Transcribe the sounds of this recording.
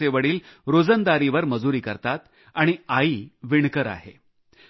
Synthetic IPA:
eʋəɽiːlɾod͡zənd̪aɾiʋəɾməd͡zuɾiːkəɾt̪at̪ | aɽ̃iaiːʋiɳkəɾa̰ɦḛ

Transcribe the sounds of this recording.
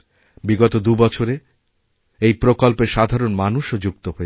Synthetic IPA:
biɡot̪od̪ubɔt͡ɕʰoɾe | ejpɾokolpeɾʃad̪ʱaɾonmanuʃod͡ʑuk̚t̪oɦoe

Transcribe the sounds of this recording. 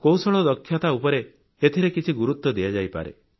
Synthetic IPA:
kowsɔɭ̃ɔd̪ɔkʰːjat̪aupɔɾe | et̪ʰiɾekit͡ʃʰiɡuɾut̪ːɔd̪ijad͡ʒajpa̰ɾḛ

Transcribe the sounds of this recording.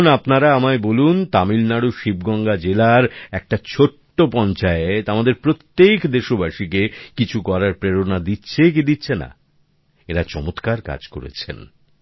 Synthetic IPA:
napnaɾaamaebolunt̪amilnaɽuʃibɡɔŋɡad͡ʑelaɾɛk̚ʈat͡ɕʰoʈːopɔnt͡ɕaeet̪amad̪eɾpɾot̪ːekd̪eʃobaʃikekit͡ɕʰukɔɾaɾpɾeɾonad̪itːɕʰek̬id̪itːɕʰena̰ | eɾat͡ɕɔmot̪kaɾka̰d͡ʑko̰ɾḛt͡ɕʰḛn

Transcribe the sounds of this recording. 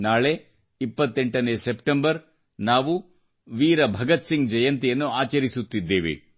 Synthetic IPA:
naːɭe̞ | ipːɐt̪ːe̞ɳʈɐneːsepʈembɐɾ | naːʋu | ʋiːɾɐbʱɐɡɐt̪siŋɡd͡ʒɐjɐnt̪ijɐnːuaːt͡ʃɐɾisut̪ːid̪ːeːʋḭ

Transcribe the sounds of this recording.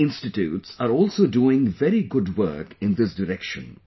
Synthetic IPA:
ɪ̃nstɪtjṵːtsaɾɔːlsoduːɪ̃ŋvɛɾiɡʊdwɜ̰˞kɪ̃nd̪ɪsdəɾɛkʃə̰̃n

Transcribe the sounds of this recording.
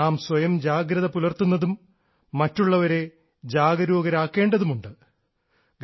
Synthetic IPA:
aːmswɐjɐmd͡ʑaːɡɾɐðɐpulɐrt̪unːɐðumː | ɐtːuɭːɐʋɐɾe̞ | d͡ʑaːɡɐɾuːɡɐɾaːkːe̞ːɳɖɐðumuɳɖɨ | ɡ

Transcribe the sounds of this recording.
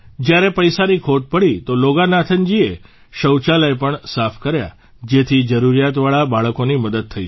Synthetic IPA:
d͡ʒjaɾepəjsaɾikʰoʈ̚pəɽit̪oloɡanat̪ʰənd͡ʒie | ɕəwt͡ʃaləjpəɳsafʰkəɾja̰ | d͡ʒet̪ʰid͡ʒəɾuɾijat̪ʋaɭabaɭkoniməd̪əd̪̚t̪ʰəḭ

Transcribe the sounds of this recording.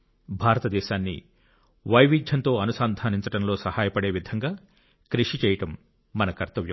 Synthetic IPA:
bʱaːɾɐt̪ɐd̪ɛːʃaːnːḭ | ʋɐjʋid̪ʱjɐnt̪o̞ːɐnusaːnd̪ʱaːniɲt͡ʃɐʈɐmlo̞ːsɐhaːjɐpɐɽe̞ːʋid̪ʱɐŋɡaː | kɾiʂit͡ʃɛːjɐʈɐmː | ɐnɐkɐɾt̪ɐʋjɐ

